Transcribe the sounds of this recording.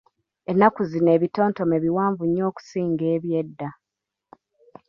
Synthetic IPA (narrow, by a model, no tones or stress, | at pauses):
enːakuzine̞ːβito̞ːnto̞meβiwaːɱvuɲːo̞ːku̥siːŋɡe̞ːβjedːa